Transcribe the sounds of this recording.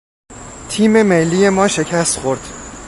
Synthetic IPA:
t̪ʰiːme̞melːiːje̞mɒːʃe̞cʰæst̪xo̞ɾd̪̥

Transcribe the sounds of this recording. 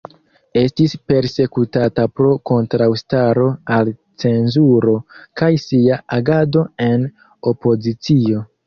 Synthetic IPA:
e̞stispe̞ɾse̞kutatapɾo̞ko̞ntɾawstaɾo̞al | t͡se̞nzuɾo̞kajsiaaɡado̞e̞n | o̞po̞zit͡sio̞

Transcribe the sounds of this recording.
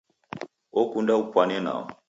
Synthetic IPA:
ɔkundaupwanɛna̰ɔ

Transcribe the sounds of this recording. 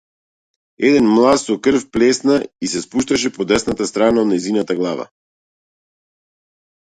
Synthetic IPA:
ɛd̪ɛnmlˠat̪sɔkr̩fplɛsnaisɛspuʃt̪aʃɛpɔd̪ɛsnat̪ast̪ɾanaod̪nɛjzinat̪aɡlˠava̰

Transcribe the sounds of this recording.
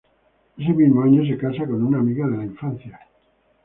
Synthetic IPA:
es̬eβilmaɲes̬ekasakonunaːmiɣaðelaiɱfan̟θja

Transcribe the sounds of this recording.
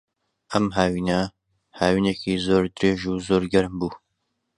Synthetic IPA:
ʔɐmɦaːwiːnɐ | haːwiːneːkʰiːzoːɾd̪ɨɾeːʒuzoːɾɡɐɾmbuː

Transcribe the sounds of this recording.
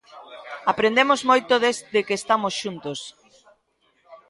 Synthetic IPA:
apɾend̪emozmojt̪oðezd̪ekest̪amosʃunt̪os

